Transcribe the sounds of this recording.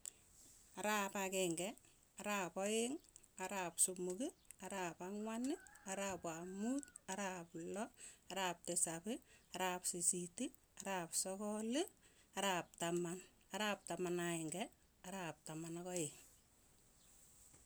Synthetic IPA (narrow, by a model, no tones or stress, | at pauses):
aɾapakɛŋɡɛ | aɾapɔjɪŋ | aɾapsumukiaɾapaŋwanɪaɾaːpamutaɾaplɔaɾaːp̚tɪsapɪaɾapsisiti | aɾapsɔkɔlɪ | aɾap̚taman | aɾaːp̚tamanaɪŋɡɛ | aɾap̚tamanakɔjɪŋ